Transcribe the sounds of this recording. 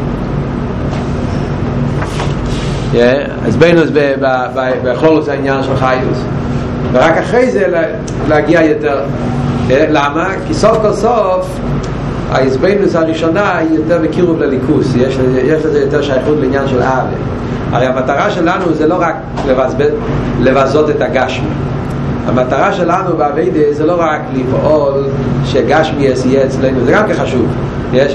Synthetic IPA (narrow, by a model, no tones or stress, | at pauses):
jɛ | a̰ɪ̰sbeɪnusbɪbababaχlolʊsaɪnjanʃɛlˠχajus | vəʁakaχʁeɪzel | lɛaɡiajɛtɛʁ | ɛlamakɪsɔfkɔlˠsɔf | a̰ɪzbeɪnusaʁiʃɔnaijotɛʁməkiʁuvlelikʰusjɛʃjɛʃlezɛjotɛʁʃajaχutleinjanʃɛlʔavḛ | a̰ʁeɪhamataʁaʃɛlanuzɛloʁak | levazbelevazotɛtaɡaʃmḭ | a̰mataʁaʃɛlanubeaveɪdəzɛloʁaklifɔl | ʃeɡaʃmiɛsijeɛt͡sleɪnuzɛɡamkɛnχaʃuv | jɛʃ